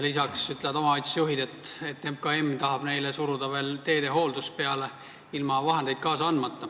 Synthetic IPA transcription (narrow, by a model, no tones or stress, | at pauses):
lis̬ɑksyt̪leɑd̪omɑɑjt̪sejuɦid̪̥e̞t̪ːˑet̪ːemkɑe̞mːt̪ɑɦɑb̥ne̞jlesuɾud̪̥ɑve̞ːlt̪e̞ːd̪e̞ɦo̞ːld̪us̚pe̞ɑle̞ | ilmɑvɑɦe̞nd̪e̞jd̪̚kɑːsɑɑnmɑt̪ˑːɑ